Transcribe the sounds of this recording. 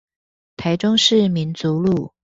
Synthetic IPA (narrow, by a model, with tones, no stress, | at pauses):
t̪ʰa˧˥ɪʈ͡ʂʊ˥ŋʂɻ̩˥˩mi˨˦˥nt͡su˨˦lu˥˩˨